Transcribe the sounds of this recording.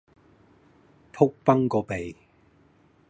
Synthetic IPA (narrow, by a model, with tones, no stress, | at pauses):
t̪ʰʊ˥k̚pɐ˥ŋkɔː˨˧pe˨j